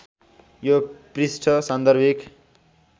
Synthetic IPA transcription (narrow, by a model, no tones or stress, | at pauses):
joprisʈʰʌsʌ̃nd̪ʌrbʱik